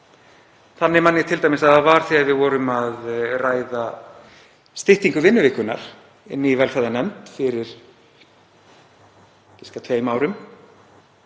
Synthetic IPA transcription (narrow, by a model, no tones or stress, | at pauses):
θanːɪmanːɪt̪ʰɪlt̪ajmɪsaðavaɾ̥θiaðvɪðvɔːɾʏmaðraːjða | st̪ɪht̪iŋkʏvɪnːʏvɪːhkʏna̰ɾ̥ | ɪ̰nːɪivɛlfaðanɛmt̪fɪɾɪɾ̥ | cɪskat̪ʰveːjmaːwɾʏm